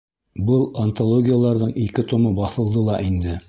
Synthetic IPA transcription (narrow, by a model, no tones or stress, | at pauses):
bɤlˠɐnt̪olˠoɡʲɪjalˠɑɾðɤɴikɘt̪ŏmɤbɑθɤ̆lˠd̪ɤlˠɑʔind̪ɘ